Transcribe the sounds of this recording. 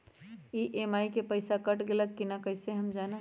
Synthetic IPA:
iːʔeːmaːikepəɪsakɐʈɡelək̚kinakɐɪseɦɐmd͡ʒaːna

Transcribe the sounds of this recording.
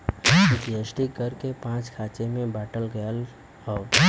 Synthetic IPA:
ɪtiəsʈikəɾkepãːt͡ʃkʰaːt͡ʃemẽbaːʈəlɡəjəl | ɔː

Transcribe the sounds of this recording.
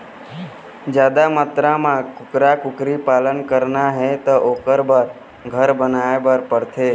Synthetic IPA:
d͡ʒjad̪amət̪ɾamãkʊkɾakʊkɾipaːlənkəɾnaɦɛt̪ɔʔoːkəɾbəɾ | ɡʱəɾbənaebəɾpəɽt̪ʰe

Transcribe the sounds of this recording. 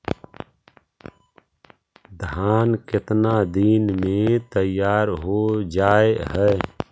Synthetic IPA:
d̪ʱaːnkɪt̪nad̪iːnmẽt̪əjaːɾɦod͡ʒaːeɦɛː

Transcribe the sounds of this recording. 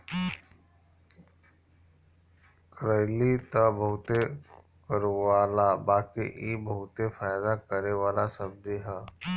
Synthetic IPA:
kɾəɪlit̪ɐbɐɦʊt̪e | kəɾʋaːlabaːkḭʔibɐɦʊt̪efaːjd̪akəɾeʋaːlasɐb̚d̪iɦɛː

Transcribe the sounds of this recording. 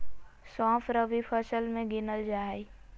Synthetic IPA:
sãːpʰɾəʋipʰəsəlmẽɡɪnəld͡ʒaːe

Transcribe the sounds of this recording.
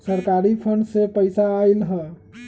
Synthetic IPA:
səɾkaɾipʰəɳɖsepəjsaːjlɦə

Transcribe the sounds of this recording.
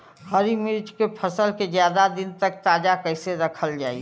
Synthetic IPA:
həɾimiɾd͡ʒkepʰəsəlked͡ʒjaːd̪ad̪ɪnt̪ək̚t̪aːd͡ʒakəɪseɾəkʰəld͡ʒa̰ːi

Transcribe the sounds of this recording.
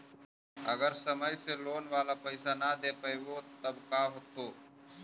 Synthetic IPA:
əɡəɾsəməjseloːnʋaːlapəɪsanad̪epəeɡot̪əbkaɦoːt̪oː

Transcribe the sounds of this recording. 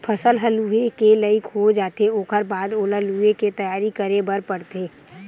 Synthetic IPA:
pʰɐsəlɦəluekeləɪkʰɦod͡ʒaːt̪eoːkʰəɾbaːd̪oːləlueket̪ɐjaːɾikəɾebəɾpəɽt̪eː

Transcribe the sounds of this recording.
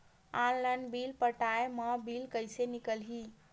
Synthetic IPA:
ãnlənbilpəʈaeməbilkəjsenikəlɦi

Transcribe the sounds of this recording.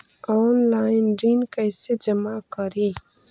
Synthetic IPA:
ɔnlaːɪnɖiːnkəjsed͡ʒəmakəɾi

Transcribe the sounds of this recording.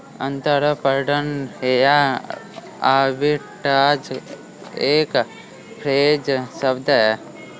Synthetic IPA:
ənt̪əɾpəɾɖənɦeja | aːbi | ʈaːd͡ʒ | eːk | pʰɾeːd͡ʒsəbd̪aja

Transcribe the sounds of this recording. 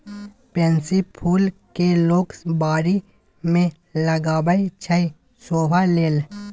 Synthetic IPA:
pẽːnsipʰuːlkeloːksbaːɾi | mẽ | ləɡaːbəit͡ʃʰəi | soːbaleːl

